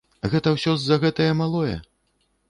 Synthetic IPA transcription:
ɣɛt̪ɐwsʲɔzːɐɣɛt̪ɐjɐmalˠɔjɛ̰

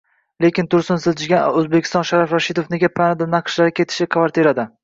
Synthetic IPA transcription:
lekʲɪnt̪ʰʊɾsɪnsɪzd͡ʒʰɪɡʲanɵzbekʲʰɪ̥st̪ɒnʃaɾafɾaʃid̪ofne̞ɡʲapʰanad̪anaqʰʃlaɾɪkʲe̞t̪ʰɪ̥ʃɪkʰvaɾt̪ʰeɾad̪ɪ

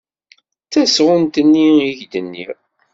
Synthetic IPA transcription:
t͡sæsʁʊnt̪ənːiiʝd̪ənːḭ

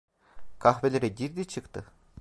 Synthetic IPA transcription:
kʰaxvelʲeɾɛɟiɾd̪it͡ʃʰɯkt̪ʰɯ

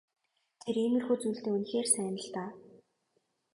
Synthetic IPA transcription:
t̪ʰeremɘ̆rxuːt͡sujɮt̪eːunxeːrsæːnə̆ɬt̪aː

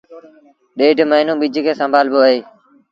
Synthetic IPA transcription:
ɗeːɖʱməɪnũːɓid͡ʒʱkʰeːsəmbʱaːlboːəɦeː

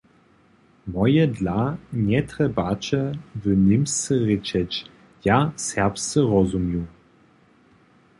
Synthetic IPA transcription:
mɔjɛdlaɲʲɛt̪ɾɛbat͡ʃɛvənimsɛʁet͡ʃɛt͡ɕ | jasɛʁpst͡səʁɔzumju

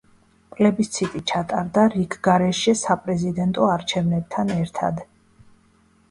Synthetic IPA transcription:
pʼlɛbist̪sʰit̪ʼit͡ʃʰat̪ʼaɾd̪aɾikʰɡaɾɛʃɛsapʼɾɛzid̪ɛnt̪ʼɔaɾt͡ʃʰɛvnɛb̚t̪ʰanɛɾt̪ʰa̰d̪

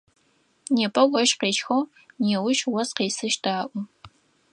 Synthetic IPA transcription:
neːpʰʼɐwʷʼɔʃqeːʃxɐw | neːwʊʃwɐzqeːsɨʃdaːʔʷʊ

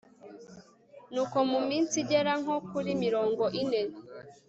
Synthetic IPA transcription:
nuːko̞mumiːnsiɟeɾaŋ̥okuɾimiɾoːŋɡoʔinen

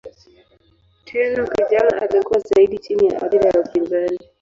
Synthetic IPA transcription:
tʰɛnɔkiʄana̰ʔalikuwazaiɗit͡ʃinija̰ʔa̰ɗiɾaaupinzani

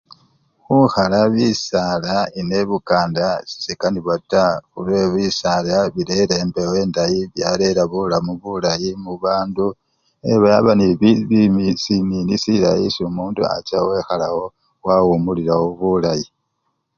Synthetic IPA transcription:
xuxalaβisalaine̞βukaːndasi̥sikaniβataxulweβisalaβiɾeɾembe̞we̞ːndajiβjale̞ɾaβulamuβulajimuβaːndu | eβajaβaniββimisininisiɾa̰jḭsumuːndṵa̰t͡ʃawe̞xalawo̞ | wawumuliɾawoβulaji

